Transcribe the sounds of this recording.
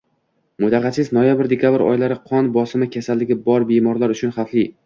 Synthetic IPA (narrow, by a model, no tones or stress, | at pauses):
mʊt̪ʰɑqɑt͡ʃ̪ʰɪznojabɪɾd̪ekʲʰabɾɒ̰jlaɾɪqʰɒnbɒsɪmɪkʲʰasalːɪɡʲɪbɒɾbemɒɾlaɾʊt͡ʃʰʊnχaflɪ